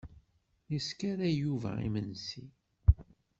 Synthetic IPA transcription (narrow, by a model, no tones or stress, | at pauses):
jəskaɾæjuvæ̰ḭmənsi